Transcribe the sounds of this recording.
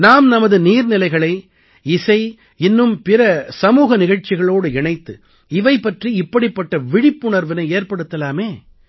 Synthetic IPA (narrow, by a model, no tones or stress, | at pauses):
naːmnɐmɐðɯniːɾnɪlɐɪɣɐɭɐɪ | ɪsɐɪ | ɪnːɯmpɪɾɐsɐmuːɣɐnɪɣɐɻt͡ʃɪɣɐɭoːɽɯɪɳɐɪt̪ːɯ | ɪʋɐɪpːɐʈriɪpːɐɽɪpːɐʈːɐʋɪɽɪpːʊɳɐɾʋɪnɐɪeːɾpɐɽɯt̪ːɐlaːmeː